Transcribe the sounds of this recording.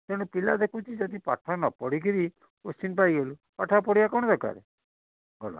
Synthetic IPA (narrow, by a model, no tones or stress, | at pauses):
t̪eɽ̃upila̰d̪ekʰut͡ʃʰid͡ʒad̪ipa̰ʈʰanɔpɔɽikiɾi | ost͡ʃinpajɡelupaʈʰapɔɽijakɔɽ̃ɔd̪ɔka̰ɾḛ | ɡɔla̰